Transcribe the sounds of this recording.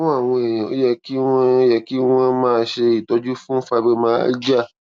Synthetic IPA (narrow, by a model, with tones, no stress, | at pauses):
ɔ̃˦a˦˨w̃ɔ̃˧e˨jã˨o̰˦jɛ˧ki˦w̃ɔ̃˦jɛ˧ki˦w̃ɔ̃˧mãː˦˧˦ʃe˧i˨tɔ˨˦d͡ʒu˦fũ˦fa˧be˧mãː˦d͡ʒa˦˨